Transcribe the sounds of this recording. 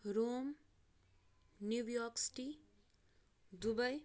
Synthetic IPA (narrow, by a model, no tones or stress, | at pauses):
ɾom | njuwjoksi̥ʈi | d̪ubʌj